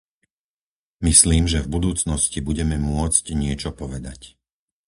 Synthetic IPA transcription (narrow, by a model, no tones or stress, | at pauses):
misliːmʒɛvbud̪uːt͡snɔscibuɟɛmɛmʊɔt͡scɲɪɛt͡ʃɔpɔʋɛd̪ac